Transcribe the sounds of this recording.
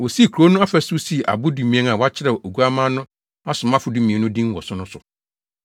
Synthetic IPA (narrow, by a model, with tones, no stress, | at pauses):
wɔ˨si˦˨kʰu˨ɾo˦nʊ̃˦a˦fɛ˦˨sʊ˦si˦˨ʔa̰˨bʊ˦du˨mĩ˨˦ɛ̃˦n˦ã˨wa˦t͡ɕʰɪ˦ɾɛ˨o˨ɡu˦a˦mã˦nʊ̃˦ | a˦sʊ̃˨m˦ã˦fʊ˨du˦mĩ˨ɛ˨nʊ̃˦dĩ˦n˦wɔ˨sʊ˦nʊ̃˦sʊ˨